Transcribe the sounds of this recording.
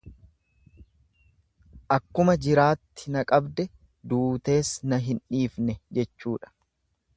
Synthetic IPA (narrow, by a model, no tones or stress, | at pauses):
ʔɐkːʊmɐd͡ʒɪɾaːt̪ːɪnɐkʼɐbd̪ɛ | d̪uːt̪e̞ːsnɐɦɪnᶑiːfnɛd͡ʒɛt͡ʃːuːᶑɐ̥